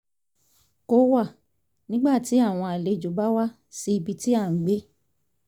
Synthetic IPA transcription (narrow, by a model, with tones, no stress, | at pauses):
ko˦wa˦˨ | nĩ˦ɡ͡ba˦˨ti˨˦a˦˨w̃ɔ̃˧a˨le˧d͡ʒo˨˦ba˦wa˦ | si˧i˧bi˧ti˦a˦˨ŋ̩˨ɡ͡be˦